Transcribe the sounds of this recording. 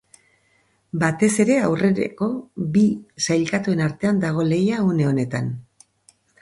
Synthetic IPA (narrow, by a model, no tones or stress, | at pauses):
bat̪e̞se̞ɾe̞awre̞ɾḛko̞bisajlkat̪ue̞naɾt̪e̞and̪aɣ̞o̞le̞jauneo̞ne̞t̪an